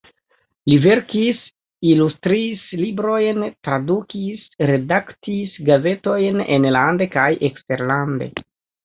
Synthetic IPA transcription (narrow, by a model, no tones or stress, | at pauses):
live̞ɾkis | ilustɾislibɾo̞jntɾadukisɾe̞daktisɡaze̞to̞jnḛnlande̞kajʔekste̞ɾlande̞̰